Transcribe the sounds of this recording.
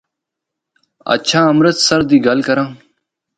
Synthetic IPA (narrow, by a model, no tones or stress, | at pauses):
ɐ̰t͡ʃʰãːəmɾət̪səɾd̪iːɡalkəɾãː